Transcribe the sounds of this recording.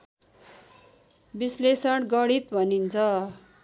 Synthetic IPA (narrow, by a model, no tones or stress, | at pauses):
bislesʌɽɡʌɽit̪bʱʌnint͡sʰʌ